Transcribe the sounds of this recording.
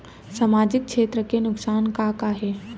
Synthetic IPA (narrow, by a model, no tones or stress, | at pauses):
samaːd͡ʒɪk̚ʃʰeːt̪ɾəkenʊksaːnkakaɦeː